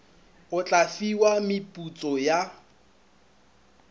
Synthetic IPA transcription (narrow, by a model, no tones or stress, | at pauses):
ʊt͡ɬʼafiwamɪpʼut͡sʼɔja